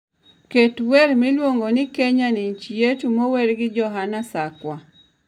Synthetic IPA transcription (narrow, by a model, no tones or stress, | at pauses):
ketweɾmɪlwoŋɡonɪkeɲaniɲt͡ʃijet͡ʃumoweɾɡɪd͡ʒɔɦanasakwa